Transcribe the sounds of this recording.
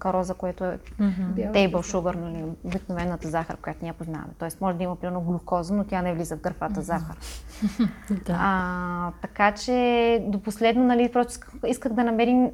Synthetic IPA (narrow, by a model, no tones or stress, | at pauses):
kɐɾɔzɐkoɛt̪oɛ | t̪ɛjbəlˠʃuɡəɾnɐliobiknovɛnːət̪əzaxə̰ɾkokjat̪nʲiɛpozna̰vɐ̰mɛt̪ɔɛsmɔʒɛd̪ɐimɐpɾimɛɾnoɡlˠukɔzənot̪ʲanɛvlizəvɡəɾfat̪əzaxəɾ | d̪ | t̪ɐkat͡ʃɛd̪oposlɛd̪nonɐlipɾɔst̪oikxiskəxd̪ɐnɐmɛɾim